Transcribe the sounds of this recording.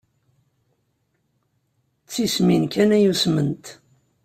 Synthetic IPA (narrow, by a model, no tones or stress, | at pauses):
t͡sːisminkænæjusmənt̪